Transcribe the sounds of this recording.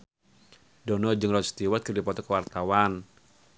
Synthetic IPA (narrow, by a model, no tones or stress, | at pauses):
dɔnɔd͡ʒɨŋrɔt̪st̪iwat̪̚kɨrdipɔt̪ɔkəwart̪awan